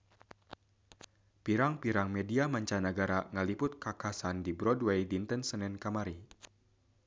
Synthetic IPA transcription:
piɾaŋpiɾaŋmediamaɲt͡ʃanəɡaɾaŋəlipʊt̪̚kakasandibɾɔdwejdint̪ənsənɛnkamaɾi

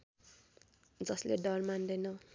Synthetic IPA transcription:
d͡zʌsleɖʌrmand̪ʌjnʌ

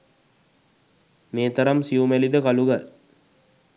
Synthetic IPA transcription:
meːt̪əɾamsiumælid̪əkaluɡal

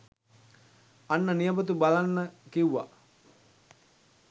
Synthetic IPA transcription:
anːənijəbət̪̬ubalanːəkiuʋa̰

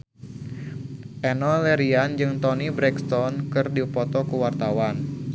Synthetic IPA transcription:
ʔɛnɔlɛɾiand͡ʒɨŋt̪ɔnibɾɛkst̪ɔnkɨrdipɔt̪ɔkuwart̪awan

